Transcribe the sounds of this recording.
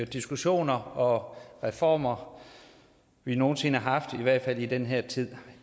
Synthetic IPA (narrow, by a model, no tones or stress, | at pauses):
d̥isɡ̥uɕo̝̰ːnɐɒ̽ʁɛfɒ̰ːmɐ | ʋino̝ːn̩se̝nəhɑ̈ɦɑ̈fd̥iʋæɐ̰d̥fæl̰id̥enɦeɐ̰t͡sʰið̰ˠ